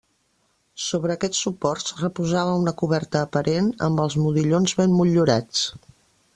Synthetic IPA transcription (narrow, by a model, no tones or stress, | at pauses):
soβɾəːkɛt͡sːupɔrtsrəpuzaβəunəkuβɛɾt̪əːpəɾenə̰mbəlˠzmuðiʎonzβemːuʎuɾat͡s